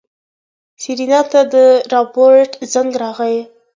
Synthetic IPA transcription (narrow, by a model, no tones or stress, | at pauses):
siɾinɑt̪ad̪əɾɑpoɾʈzaŋɡɾɑɣəj